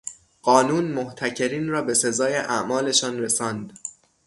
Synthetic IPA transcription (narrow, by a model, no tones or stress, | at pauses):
ɢ̥ɒːnuːnmoht̪ʰæcʰe̞ɾiːnrɒːbe̞se̞zɒːje̞ʔæʔmɒːle̞ʃɒːnɾesɒːnd̪